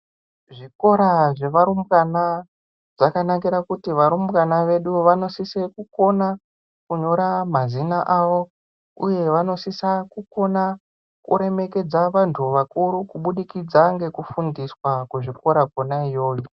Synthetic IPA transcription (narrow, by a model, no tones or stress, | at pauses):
ʐiko̞ɾaʐe̞ʋaɾumɡana | ʐakanakiɾakutiʋaɾumkanaʋe̞ɗuʋano̞sisekuko̞na | kuɲo̞ɾamazinaʔaʋo̞ | uje̞ʋano̞sisakuko̞na | kṵɾe̞me̞ke̞d͡zaʋantʰuʋakuɾukuɓuɗikid͡zaŋɡe̞kufundiswakuʐiko̞ɾakonaijo̞ːjo